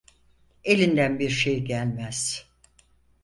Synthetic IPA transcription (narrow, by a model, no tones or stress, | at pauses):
e̞lʲind̪ænbiɾʃejɟælʲmæz̥